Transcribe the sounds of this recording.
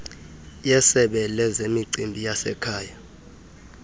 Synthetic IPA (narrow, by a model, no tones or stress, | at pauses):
jɛsɛɓɛlɛzemiǀimbʱijasɛ̰kʰaːja